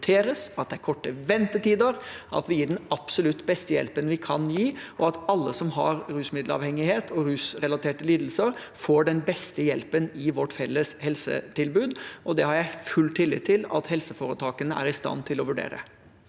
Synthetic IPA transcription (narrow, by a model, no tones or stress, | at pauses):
t̪ʰeːɾəsɑt̪̚d̪ɛæɪkʰɔʈːəʋɛnt̪ət̪iːd̪əɾʔɑ̰t̪ʋɪjiːɖɛnɑpsɔlʉt̪ːbɛst̪əjɛ̰lpənʋɪkʰɑnjiːʔɔɑt̪ɑlːəsɔmɦɑɾɾʉːsmɪd̪lɑ̰ːʋhɛŋɪheːt̪ʰɔɾʉːsɾɛlɑt̪ʰeːʈəliːd̪l̩səɾ | foːɖɛnbɛst̪əjɛ̰lpənɪʋɔʈfɛlːəshɛlsə̰t̪ʰɪlbʉːd̪ʔɔd̪ɛhɑɾjæɪfʉlt̪ʰːɪlːɪ̰t̪ʰːɪlɑ̰t̪hɛlsəfoːɾət̪ʰɑːkənəæ̰ɾɪst̪ɑ̰nːt̪ʰɪlɔʋʉɖḛːɾə̰